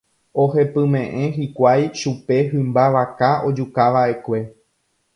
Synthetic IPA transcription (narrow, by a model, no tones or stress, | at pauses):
oɦe̞pɨ̃mẽ̞ʔẽ̞ɦikʷajʃupe̞ɦɨ̃mbaʋakaʔo̞d͡ʒukaʋaʔe̞kʷe̞